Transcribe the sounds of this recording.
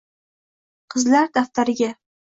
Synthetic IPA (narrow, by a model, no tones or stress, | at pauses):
qʰɨzlaɾd̪aft̪aɾɪɡʲa